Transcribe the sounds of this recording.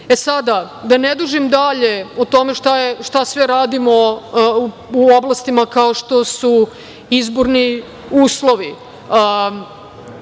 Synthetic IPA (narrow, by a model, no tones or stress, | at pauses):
esad̪a | d̪aned̪uʒimd̪aʎe̞ot̪o̞meʃt̪ajeʃt̪asʋɛɾaːd̪imo | uoblˠast̪imakaoʃt̪o̞su | izboɾni | uːslˠo̞ʋi